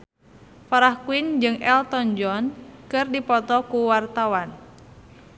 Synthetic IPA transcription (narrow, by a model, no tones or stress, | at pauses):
faɾahkuind͡ʒɨŋɛlt̪ɔɲd͡ʒɔnkɨrdipɔt̪ɔkuwart̪awan